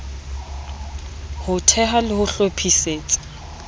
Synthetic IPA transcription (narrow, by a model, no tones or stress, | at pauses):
hʊtʰɛɦalɪhʊɬopʰiseːt͡sʼɪ̥